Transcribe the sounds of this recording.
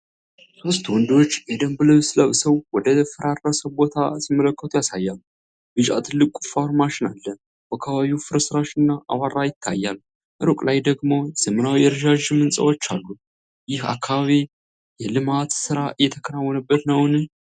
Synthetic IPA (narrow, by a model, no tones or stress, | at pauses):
so̞st̪wɔnd̪o̞t͡ʃːjɛd̪əmbɨləwslawsəwwɔd̪əfəɾaɾːasəbo̞t̪ʰa̰simːələkːət̪ʰujasajːal | bɨd͡ʒa̰t̪ʰɨlːɨkʼufoɾmaʃɪnalːə | bakʰːaβaβiwufɨɾəsɨɾaʃɨnːaʔa̰waɾajɪt̪ʰːajːal | ʔɨɾokʼlajd̪əɡmo̞z̥əmɨnawjɛɾʒaʒɨmɨnsʼə̰wot͡ʃːalːu | jɪha̰kʰːaβaβi | jɛlɨmat̪sɨɾaʔɨjːɛt̪ʰəkʰəɾawːɔnəbːət̪nəwnɨ